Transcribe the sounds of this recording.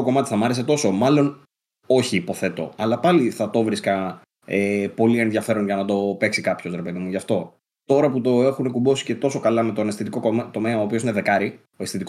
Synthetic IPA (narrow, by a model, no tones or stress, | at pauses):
oko̞mɐt̪i̥θɐmɐɾe̞s̬e̞t̪o̞so̞mɐlo̞n | o̞çiːpo̞θe̞t̪o̞̰ɐlɐpɐliθɐt̪o̞vɾiskɐ | epo̞lie̞nðʝɐfe̞ɾo̞nʝɐnɐd̪o̞pe̞ksikɐpço̞sɾepeðimuʝɐft̪o̞ | t̪o̞ɾɐput̪o̞e̞xunekubo̞si̥ce̞t̪o̞so̞kɐlɐme̞t̪onest̪it̪ikot̪o̞me̞ɐoːpioine̞ðe̞kɐɾi | oe̞sit̪ik